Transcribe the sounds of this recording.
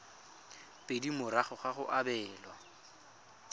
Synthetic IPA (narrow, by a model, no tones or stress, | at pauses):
pʼedimʊɾaχʊχaχʊʔabɛːlwa